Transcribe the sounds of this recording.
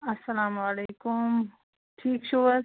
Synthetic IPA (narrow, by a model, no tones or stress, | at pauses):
ɐsːɐlaːmaleːkʊm | ʈʰiːkʃu